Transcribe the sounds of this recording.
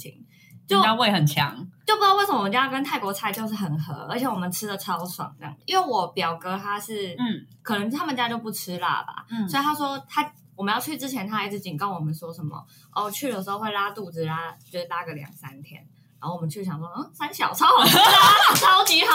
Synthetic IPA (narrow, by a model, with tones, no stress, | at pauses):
t͡ɕʰḭ˨˩ŋ | t͡ɕjo˥˩ʊ˥˧we˥˩ɪxə˨˩nt͡ɕʰjɑ̰˧˦˥ŋt͡ɕjo˥ʊpu˧˥jwsə˧˦m˧˨˧t͡ɕja˥˧kə˥nt̪ʰa˥˩ɪkwɔ˧˥t͡sʰa˥ɪt͡ɕjo˥˧ʊʂ̬ɻ̩˥˩xə˨˩nxɤ̰˧˥˦ʔə̰˧˥t͡ɕʰjɛ˧˥wɔ˨˩mə˨˦nʈ͡ʂʰɻ̩˥də˨ʈ͡ʂʰɑ˥ʊswɑ̰˨˩˦ŋ̰˥˧ŋ˨˩i˥nwe˥˩ɪwɔ˨˩pjɑ˨˩ʊkɤ˧˥t̪ʰa˥ʂɻ̩˥˩kʰɤ˨˩nə˧˥ŋt̪ʰa˥mə˨nt͡ɕja˦˥t͡ɕjo˥˧pu˥˩ʈ͡ʂ̩ʰ˥la̰˥˩ba̰˨˩sɔ˧˥i˨t̪ʰa˥ʂwɔ˥t̪ʰa˥ | wɔ˨˩mə˦njɑ˥˧ʊt͡ɕʰy˥˩t͡sɻ̩˥t͡ɕʰjɛ˧˥nt̪ʰa˥˧˥t͡s̩˥˩t͡ɕi˨˩kɑ˥˩ʊwɔ˨˩mə˨˦nʂwɔ˥ʂə˨˦nmə̰˨ | ʔo̰˥˩wt͡ɕʰy˥˩d̪ə˩ʂɻ̩˧˥xo˥˧ʊxwe˥˩ɪla˥t̪u˥˩t͡sɻ̩˨˩la˥t͡ɕjo˥˧ʊʂ̩˥˩t̪a˥˩ɡə˨˩ljɑ̰˨˩ŋsa˦˥nt̪ʰjɛ̰˥n̰˧˥ | xo˥˩wɔ˨mə˦nt͡ɕʰy˥˩ɕjɑ˨˩ŋʂwɔ˥ə˥˩sa˥nɕjɑ˨˩ʊt͡sʰɑ˥ʊ˩˥t͡sʰɑ˥ʊt͡ɕi˧˥